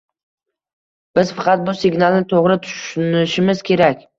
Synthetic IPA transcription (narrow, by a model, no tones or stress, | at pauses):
b̥ɪz̥fɑqʰɑt̪̚bʊsɪɡʲnalˠnɪt̪ʰoʁɾɪt̪ʰʊ̥ʃʊnɪʃɪmɪzkʲʰe̞ɾakʲ